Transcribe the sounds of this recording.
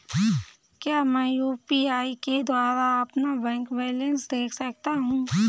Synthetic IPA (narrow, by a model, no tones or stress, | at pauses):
kjaːmɛ̃ːjuːpiaːiked̪waːɾaɐpnabɛ̃ːŋkbɛːlə̃nsd̪eːkʰsɐk̚t̪aɦũː